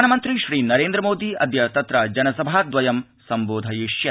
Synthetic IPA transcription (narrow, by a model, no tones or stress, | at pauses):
nɐmɐnt̪ɾiʃɾiːnɐɾeːnd̪ɾɐmoːd̪iɐ̰d̪jɐt̪ɐt̪ɾɐd͡ʒɐnɐsɐbʱaːd̪ʋɐjɐm | sɐmboːd̪ʱɐjiʃjɐ